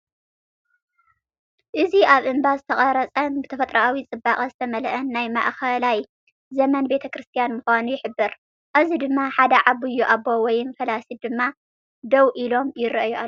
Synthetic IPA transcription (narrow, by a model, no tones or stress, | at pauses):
ʔɨziʔaβʔɨmbazɨt̪ʰɐχʼɐɾɐt͡sʼɐnbɨt̪ʰɐfɐt̪ʼɾɐʔawit͡sʼɨbːaχʼɐzɨt̪ʰɐmɐlʔɐnːajma̰ʔxɐlaj | zɐmɐnbe̞t̪ʰɐkɾɨst̪ʰijanmʊxʷanujɪħɨbːɨɾ | ʔazid̪ɨmːaħad̪ɐʕaβɨjːuʔabːowɔjɪnfɐlasid̪ɨmːa | d̪ɐwʔilo̞mjɪɾʔjua